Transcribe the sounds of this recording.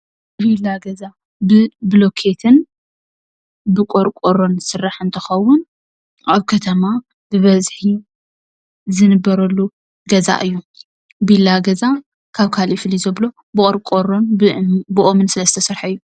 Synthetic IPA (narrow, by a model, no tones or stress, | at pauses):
βilːaɡɐza | bɨblo̞kʰe̞t̪ʰɨn | bɨkʼoɾkʼoɾonsɨrːaħɨnt̪ʰɨxɐwːʊn | ʔaβkʰɐt̪ʰɐma | bɨβɐzħi | zɨnɨbːɐɾɐlːu | ɡɐza̰ʔɨjːu | bilːaɡɐza | kʰaβkʰaliflizɐβlo̞ | bɨʔʼoɾkʼoɾonbɨʔomɨnsɨlɐst̪ʰɐsɐɾħɨjːu